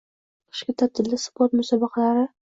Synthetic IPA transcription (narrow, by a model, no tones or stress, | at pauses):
qʰɨ̥ʃkʲɪt̪ʰat̪ʰːɪlːɪspoɾt̪mʊsɒbɑqʰɑlaɾɪ